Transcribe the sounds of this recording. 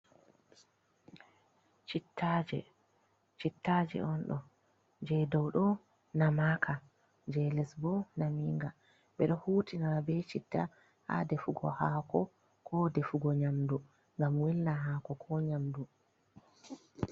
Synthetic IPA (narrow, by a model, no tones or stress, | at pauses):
t͡ʃitːad͡ʒɛ̰ | t͡ʃitːad͡ʒɛ̰ɔnɗɔ | d͡ʒɛdɔwɗɔ | namaːkʰa | d͡ʒɛlɛsbɔnamiŋɡa | ɓɛɗɔhuːtinaɾabɛt͡ʃitːa | ha̰defuɡɔ̰haːkɔ | kʰɔdefuɡɔɲamdu | ŋɡamwɛlnaɦakɔkʰɔɲamdu